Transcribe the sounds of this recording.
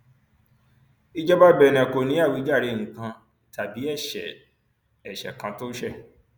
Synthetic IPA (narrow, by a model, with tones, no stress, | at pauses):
i˦d͡ʒɛ˦ba˦bɛ˨nɛ̃˨ko˨nĩ˨˦a˦˨wi˨˦d͡ʒa˦˨ɾe˨˧˦nĩ˨kã˧˨ | ta˨bi˨˦ɛ˦˨ʃɛ̰˨ | ɛ˨ʃɛ̰˨kã˧to˦ʃɛ˦˨